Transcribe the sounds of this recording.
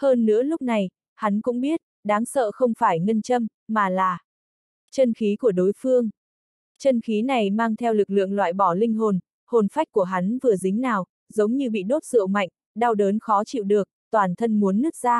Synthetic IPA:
həː˧nːɨ̰˧˥əlʊ˦˥k͡p̚na˨˩j | ha˨˦nkʊ̰˧˥ŋ͡mɓi˦˥ət̚ɗaː˨˦ŋsə̰ː˧˨xə˧wŋ͡mfaː˧˩jŋə˧nt͡ɕə˧mːaː˨˩laː˨˩ | t͡ɕə˧nxi˨˦ku˧˩əɗo˨˦jfɨ˧əŋ | t͡ɕə˧nxi˨˦na˨˩jmaː˧ŋt̪ʰɛ˧wlɨ˨˩k̚lɨ̰˧˨əŋlwa̰ː˧˨jɓɔ˧˩lï˧ŋ̟ɦo˨˩n | ho˨˩nfa˦˥jk̟̚ku˧˩əɦa˨˦nvɨ˨˩əzï˨˦ŋ̟naː˨˩w | zə˨˦wŋ͡mɲɨ˧ɓḭ˧˨ɗo˦˥t̚zɨ̰˧˨wma̰˧˨jŋ̟ | ɗa˧wɗəː˨˦nxɔ˨˦t͡ɕḭ˧˨wɗɨ˨˩ək̚t̪waː˨˩nt̪ʰə˧nmu˨˦ənːɨ˦˥ək̚zaː˧

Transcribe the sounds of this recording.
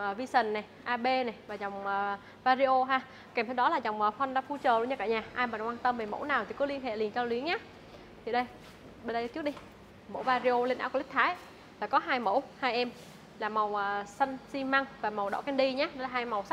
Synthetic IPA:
ʔəː˨˩vi˧sə˨˩nnɛ˨˩jʔaː˧ɓe˧nɛ˨˩jvaː˨˩zɔ˨˩wŋ͡məː˨˩ | vaː˧zi˧ʔo˧ɦaː˧ | kɛ˨˩mt̪ʰwɗɔ˨˦laː˨˩za˨˩wŋ͡mʔəː˨˩fə˧nɗa̰˧˥fu˧t͡ɕəː˨˩lṵ˧nɲa˧kaː˧˨ɲaː˨˩ʔaː˧jmaː˨˩kwaː˧nt̪ə˧mve˨˩mo̰˧˥naː˨˩wt̪i˨˩kɔ˨˦li˧ənɦḛ˧˨li˨˩ənt͡ɕaː˧wli˨˦əŋɲaː˨˦ | t̪ʰi˨˩ɗə˧j | ɓə˧nɗə˧jt͡ɕɨ˦˥ək̚ɗi˧ | mo̰˧˥vaː˧zi˧ʔo˧le˧nʔa̰ː˧˥˩kːk̚t̪ʰaː˨˦j | laː˨˩kɔ˨˦ɦaː˧jmo̰˧˥˩whaː˧jʔɛ˧m | laː˨˩ma˨˩wʔəː˨˩sə˧nsi˧ma˧ŋvaː˨˩ma˨˩wɗɔ̰˧˥kɛ˧nɗi˧ɲaː˨˥ɗɔ˨˦laː˨˩ɦaː˧jma˨˩wsa˦˥

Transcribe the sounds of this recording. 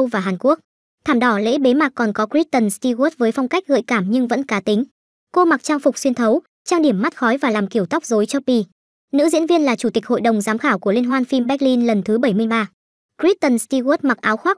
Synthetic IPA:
wvaː˨˩ɦaː˨˩nku˦˥ək̚ | t̪ʰaː˧˩mɗɔ˧˩lḛ˧˥ɓe˨˦ma˨˩k̚kːɔ˨˩nkɔ˨˦kɹi˦˥t̚t̪ə˨˩nst̪i˧ɣt̚vəː˨˦jfɔ˧wŋ͡mka˦˥k̟̚ɣɨ̰˧˨jkaː˧˩mɲɨ˧ŋvə̰˧˥nkaː˨˦t̪ï˨˦ŋ̟ | ko˧ma˨˩k̚t͡ɕaː˧ŋfʊ˨˩k͡p̚swi˧ənt̪ʰə˨˦w | t͡ɕaː˧ŋɗi˧˩əmːa˦˥t̚xɔ˨˦jvaː˨˩laː˨˩mki˧˩əwt̪ɔ˦˥k͡p̚zo˨˦jt͡ɕɔ˧˦˥pi˧ | nɨ̰˧˥zḭ˧˥ənvi˧ənlaː˨˩t͡ɕu˧˩t̪ï˨˩k̟̚ho̰˧˨jɗə˨˩wŋ͡mzaː˨˦mxaː˧˩wku˧˩əle˧nɦwaː˧nfi˧mɓɛ˦˥li˧nlə˨˩nt̪ʰɨ˨˦ɓə˧˩jmɨ˧əjɓaː˧ | kɹi˦˥t̚t̪ə˨˩nst̪i˧ɣɔ˦˥t̚ma˨˩t̚ʔaː˨˦wxwaː˦˥k̚

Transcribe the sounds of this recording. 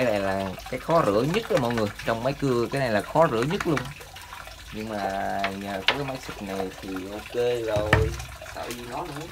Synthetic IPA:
a˨˦jna˨˩jlaː˨˩kaː˨˦jxɔ˨˦zɨ̰˧˩əɲə˦˥t̚ʔəː˧˦mɔ̰˧˨jŋɨ˨˩əjt͡ɕɔ˧wŋ͡mma˨˦jkɨ˧kaː˨˦jna˨˩jlaː˨˩xɔ˨˦zɨ̰˧˩əɲə˦˥t̚lu˧əŋ͡m | ɲɨ˧ŋmaː˨˩ɲəː˨˩kɔ˨˦kaː˨˦jmaː˨˦jsi˨˩k̚na˨˩jt̪ʰi˨˩ʔo˧ke˧zo˨˩j | sə̰ː˧˩ɲɨ˧nɔ˨˦nɨ˧˦

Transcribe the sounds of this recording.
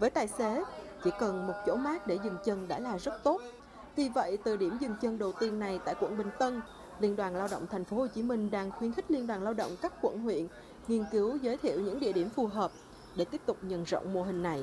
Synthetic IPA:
vəː˨˦jt̪aː˨˩jse˨˦t͡ɕḭ˧˥kə˨˩nmo˨˩t̚t͡ɕo̰˧˥maː˦˥k̚ɗe˧˩zɨ˨˩ŋt͡ɕə˧nɗa̰ː˧˥laː˨˩zə˦˥t̚t̪o˦˥t̚ | vi˨˩və̰˧˨jt̪ɨ˨˩ɗi˧˩əmzɨ˨˩ŋt͡ɕə˧nɗə˨˩wt̪i˧ənːa˨˩jt̪a̰ː˧˨jkwə̰˧˨nɓï˨˩ŋ̟t̪ə˧n | li˧ənɗwaː˨˩nlaː˧wɗə̰˧˨ŋ͡mt̪ʰɛ˨˩ŋ̟fo˨˦ho˨˩t͡ɕi˨˦mï˧ŋ̟ɗaː˧ŋxwi˧ənxk̟̚li˧ənɗwaː˨˩nlaː˧wɗə̰˧˨wŋ͡mkaː˦˥k̚kwə̰˧˨nɦwḭ˧˨ən | ŋi˧ənki˨˦wzəː˨˦jt̪ʰḭ˧˨əwɲɨ̰˧˥ŋɗḭ˧əɗi˧˩əmfu˨˩ɦəː˨˩p̚ | ɗe˧˩t̪i˦˥əp̚t̪ʊ˨˩k͡p̚ɲə̰˧˨nzo̰˧˨wŋ͡mmu˧˩ɦï˨˩ŋ̟na˨˩j

